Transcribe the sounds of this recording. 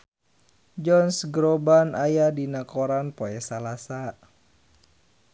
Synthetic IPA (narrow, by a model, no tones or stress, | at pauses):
d͡ʒɔnsɡɾɔbanajadinakoɾanpoɛsalasa